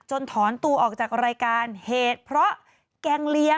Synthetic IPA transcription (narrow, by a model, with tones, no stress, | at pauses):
t͡ɕo˧nt̪ʰɔː˩˦nt̪u˧ɐʔɔː˨˩k̚t͡ɕaː˨˩k̚ɾaː˧jkaː˧nheː˨˩t̪̚pʰɾɔ˦˥ʔ | kɛ˧ŋli˧˥ə